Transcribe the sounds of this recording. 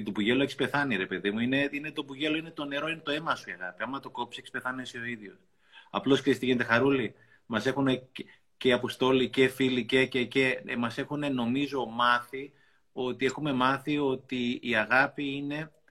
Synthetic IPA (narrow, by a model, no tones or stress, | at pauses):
t̪opuʝe̞loekispe̞θɐniɾe̞pe̞ðimuine̞ine̞t̪o̞buʝe̞lo̞ine̞t̪o̞ne̞ɾo̞inet̪o̞e̞mɐsuiɐɣɐ̰piɐmːɐt̪o̞ko̞psiekspe̞θɐniesio̞iðʝo̞s | ɐ̰plo̞sksest̪iʝinet̪e̞xɐɾuli | mɐse̞xune | ce̞ɐpost̪o̞licefilicececemɐse̞xune̞no̞mizo̞mɐθi | o̞t̪ie̞xume̞mɐθio̞t̪iiɐɣɐpiine̞